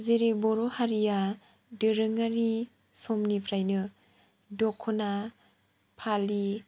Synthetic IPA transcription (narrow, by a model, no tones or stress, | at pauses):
zeɾebɔɾohaɾija | dɯɾɯŋaɾi | sɔmnipʰɾajnɯ | dɔkʰːɔna | pʰali